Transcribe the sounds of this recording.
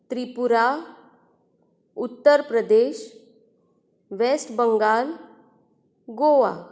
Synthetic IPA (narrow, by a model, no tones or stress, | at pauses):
t̪ɾipuɾa | ut̪ːəɾpɾəd̪eɕ | ʋesʈbəŋɡal | ɡoʋa̰